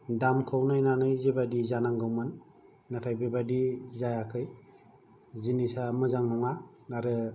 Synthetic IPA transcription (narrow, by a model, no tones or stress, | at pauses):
damkʰawnajnanɯjzebadizanaŋɡawmanː | apʰajbebadizajakʰɯj | zinisamɯzaŋnɔŋa | aɾɯ